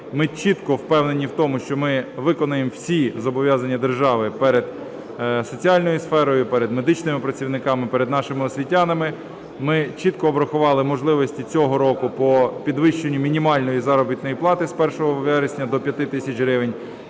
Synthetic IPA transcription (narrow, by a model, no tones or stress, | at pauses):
mɪt͡ʃit̪kɔwpɛwnenʲiwt̪ɔmʊʃt͡ʃɔmɪʋɪkɔnɐjemwsʲizɔbɔʋʲjɑzɐnʲːɐd̪erʒɑʋɪpɛɾed̪ | sɔt͡sʲiɑlʲnɔjʊsfɛɾɔjʊpɛɾed̪med̪ɪt͡ʃnɪmɪpɾɐt͡sʲiwnɪkɑmɪpeɾed̪nɑʃɪmɪɔsʲʋʲitʲːɑnɪmɪ | mɪt͡ʃit̪kɔːbɾɐxʊʋɑlˠɪmɔʒlˠɪʋɔsʲtʲit͡sʲɔɦɔɾɔkʊpɔpʲid̪ʋɪʃt͡ʃenʲːʊmʲinʲimɑlʲnɔjizɑɾɔbʲit̪nɔjiplˠɑt̪ɪspɛrʃɔɦɔʋɛɾesʲnʲɐd̪ɔpʲjɐt̪ɪt̪ɪsʲɐt͡ʃʲɦɾɪʋenʲ